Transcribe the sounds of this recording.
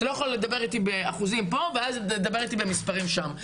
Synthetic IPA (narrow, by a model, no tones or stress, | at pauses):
lojaχolle̞d̪abe̞ʁit̪ibeaχuzimpo̞veazed̪abe̞ʁit̪ibe̞mispaʁimʃam